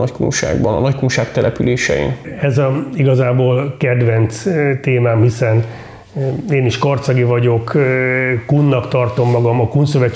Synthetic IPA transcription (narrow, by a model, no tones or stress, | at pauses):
ɒckṵnʃa̰ːɡbɒ̰nɒ̰nɒckunʃaːkt̪ɛlʔɛpyleːʃɛ̰ḭnɛzɒiɡɒzaːboːlkɛd̪ʋɛnt̪st̪eːmaːmhisɛn | eːniʃkɒrt̪sɒɡivɒɟo̞k | kːunːɒkt̪ɒrt̪o̞mːɒɡɒmɒkunsø̞ʋɛt͡ʃ